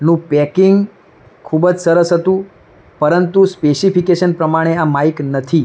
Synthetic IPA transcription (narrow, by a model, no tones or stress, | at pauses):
nũpɛkiŋɡ | kʰubəd͡ʒsəɾəsɦət̪ũ | pəɾənt̪uspesifʰikeʃənpɾəmaɽ̃eamaiknət̪ʰi